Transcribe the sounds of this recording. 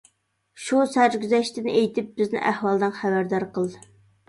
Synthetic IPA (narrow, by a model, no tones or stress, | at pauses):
ʃusæɾɡʲyzɛʃt̪ɪnejt̪ʰɪp̚b̥ɪznɪ̰ʔæhwɑlˠd̪ɨnχæbæɾd̪ɑɾqəlˠd̪ɨ